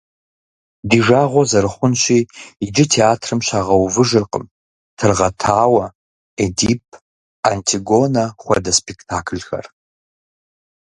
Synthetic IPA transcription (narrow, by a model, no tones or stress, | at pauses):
diːʒaːʁʷɔzɐɾɨχʷʊnɕiːid͡ʒɪtʰeaːtʰrɨmɕaːʁɐwvɨʒɨrqə̰m | tʰɨrʁɐtʰaːwɐ | ediːp̚ʰ | antʰiɡonɐχʷɐ̰dɐspʰektʰaːkʰlxɐ̰r